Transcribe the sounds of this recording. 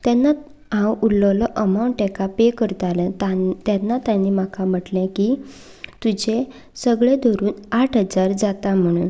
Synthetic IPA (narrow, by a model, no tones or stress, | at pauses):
t̪ɛnːa | ɦãwulːɔlɔʔəmawɳʈekapekəɾt̪alẽt̪at̪anːat̪jãnːimakʰam̤əʈlɛ̃ki | t̪ud͡ʑe | səɡɭed̪ʱɔɾuːnaʈʰɦəd͡zaɾd͡zat̪am̤əɽ̃ṵːn